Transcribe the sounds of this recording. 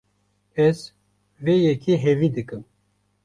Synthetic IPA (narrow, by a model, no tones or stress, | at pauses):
ɛz | vejɛkiɦɛviːd̪ɨkɨm